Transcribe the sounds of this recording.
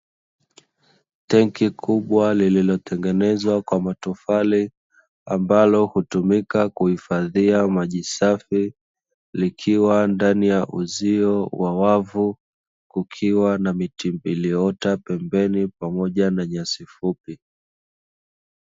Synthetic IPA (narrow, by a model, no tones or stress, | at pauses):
tɛŋkikʰuɓwalililɔtɛŋɡɛnɛzwakwamatufali | ambalɔhutumikakuhifaðiamaʄisafi | likʰiwandanijaʔuziɔwawavu | kukʰiwanamitimbiliɔtapɛmbɛnipamɔʄanaɲasifupi